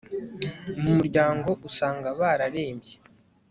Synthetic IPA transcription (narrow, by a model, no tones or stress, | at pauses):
mumuɾɟaːŋɡo̞ʔusaːŋɡaβaɾaɾe̞ːmbɟe